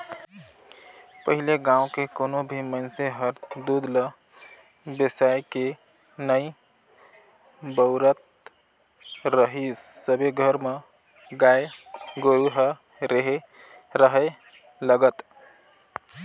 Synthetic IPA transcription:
pəɦileɡãũkekonobʱiməɪnseɦəɾd̪ud̪lə | besajke | nəi | bəʊɾət̪ | ɾəɦisːəbeɡʱəɾme | ɡaeɡoɾuɦə | ɾeɦe | ɾəɦə | ləɡət̪

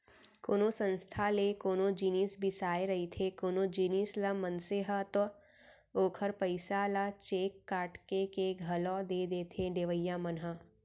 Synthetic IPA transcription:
koːnõsə̃nst̪ʰalekoːnõd͡ʒinisbʱisaːeɾɐɦit̪ʰekoːnod͡ʒinislamənseɦət̪o | oːkʰəɾpəɪsalat͡ʃeːkːaːʈkekeɡʱɐlɔ̃d̪eːd̪eːt̪ʰeɖeːʋəjːamənɦə

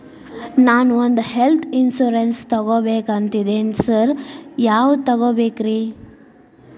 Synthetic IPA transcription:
naːnuond̪uhelt̪ʰinsuːɾenst̪ɐɡoːbeːkɐnt̪id̪eːnisɐɾjaːʋt̪ɐɡoːbeːkɾiː

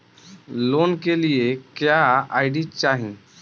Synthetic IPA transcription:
lonkelijekjaajɖit͡ʃaɦĩ

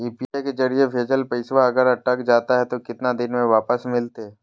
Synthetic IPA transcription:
iːpiajked͡ʒɐɾiebʰʱeːd͡ʒəlpɐɪsʋaɐɡəɾɐʈːəkd͡ʒaːt̪aɦɛt̪okɪt̪nad̪ɪnmẽʋaːpəsmɪlt̪eɦɛ

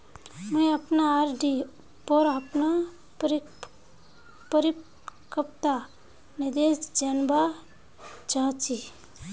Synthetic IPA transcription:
mə̃ẽəpnaaɾɖi | pɔɾapna | ɾ | pəɾi | kəpt̪a | nɪd̪esd͡ʒənba | d͡ʒãːt͡ʃi

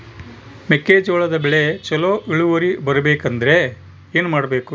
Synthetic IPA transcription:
mekːeːd͡ʒoːɭɐd̪ɐbɛɭet͡ʃɐloːʔiɭuʋɐɾibɐɾɐbeːkɐnd̪ɐɾe̞ | eːnumaːɽɐbe̞ːku

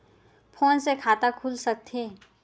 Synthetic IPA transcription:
pʰoːnsekʰaːt̪akʰuːlsək̚t̪ʰeː

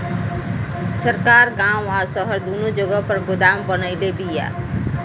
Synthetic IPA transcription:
səɾkaːɾɡãːmaːsəɦəɾd̪unõd͡ʒoɡəpəɾɡʊd̪aːmbənəid̪ebiːja̰ː

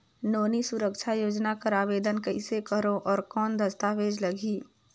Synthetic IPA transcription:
noːnisʊɾəkʃʰajoːd͡ʒnakəɾaːʋeːd̪ənkəɪsekəɾõʔɔːɾkɔːnd̪ʱəst̪aːʋeːd͡ʒləɡiː

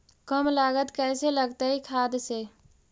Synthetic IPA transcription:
kəmlaːɡət̪kɛːseləɡt̪aɦikʰaːd̪se

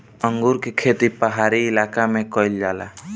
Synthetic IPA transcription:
əŋɡuɾkekʰeːt̪ipəɦaːɾiɪlaːkamẽkɔɪld͡ʒaːla̰

